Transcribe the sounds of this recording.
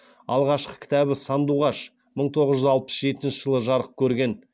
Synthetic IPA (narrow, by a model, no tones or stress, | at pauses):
ɑlˠʁɑʃqə̥kʲʰɪ̥t̪æbɪsɑnd̪uʁɑʃ | məɴt̪ʰo̞ʁəzʒʏzɑlˠpəsʒe̞t̪ɪnʃɪʒəlˠəʒɑɾəq̚kʲʰɵɾɡʲe̞n